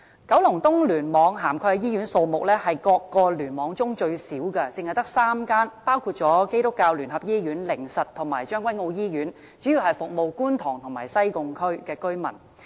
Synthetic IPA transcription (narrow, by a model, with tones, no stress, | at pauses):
kɐ˨˥wlʊ˨˩ŋt̪ʊ˥ŋlyː˨˩nmɔː˨˧ŋɦaː˨˩mkʰɔː˧jɛ˧jiː˥jyː˨˥nso˧wmʊ˨k̚lɛː˥hɐ˨jkɔː˧kːɔː˧lyː˨˩nmɔː˨˧ŋt͡sʊ˥ŋt͡ʃɵ˧ɥsiː˨˥wkɛ˧t͡sɪ˨ŋhjt̪ɐ˥k̚saː˥mkaː˥npaː˥wkʰuː˧t̚t͡ʃɔː˨˥ke˥jt̪ʊ˥kːaː˧wlyː˨˩nɦɐ˨p̚jiː˥jyː˨˥nlɪ˨˩ŋsɐ˨t̚t̪ʰʊ˨˩ŋmaː˨˩jt͡ʃœː˥ŋkʷwɐ˥jŋo˧wjiː˥jyː˨˥n | t͡ʃyː˨˥jiː˨wɦɐ˨jfʊ˨k̚mo˨wkuː˥nt̪ʰʊː˨˩ŋt̪ʰʊ˨˩ŋma̰ː˨˩jsɐ˥jkʊ˧ŋkʰɵ˥ɥkɛː˧kɵ˥mɐ̰˨˩n